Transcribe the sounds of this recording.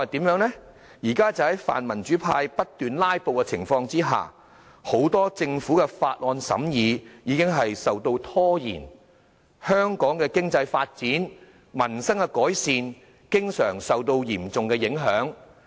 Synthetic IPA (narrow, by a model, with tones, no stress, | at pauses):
a˨t̪iː˨˥mjœː˨˥ŋlɛ˥ | jiː˨˩kaː˥t͡sɐ˨whɐ˨˥jfa̰ː˨nmɐ˨˩nt͡ʃyː˨˥pʰa̰ː˧jpɐ˥t̚t̪yː˨nlaː˥jpo˨˧wkɛ˧t͡sʰɪ˨˩ŋfɔː˧ŋt͡siː˥ɦa̰ː˨˩ | ho˨˥wt̪ɔː˥t͡sɪ˧ŋfuː˨˥kɛ˧faː˧t̚lɔː˧nsɐ̰˨˥mjiː˨˧jiː˨˧kɪ˥ŋɦɐ˨jsɐ˨wt̪o˧wt̪ʰɔː˥jḭː˨˩n | hœː˥ŋkɔː˨˥ŋkɛː˧kɪ˥ŋt͡sɐ˧jfaː˧t̚t͡siː˨˥n | mɐ˨˩nsɐ˥ŋkɛ˧kɔː˨˥jsiː˨˧n | kɪ˥ŋsœ̰ː˨˩ŋsɐ˨wt̪o˧wjiː˨˩mt͡sʊ˨ŋkɛ˧jɪ˨˥ŋɦœː˨˥ŋ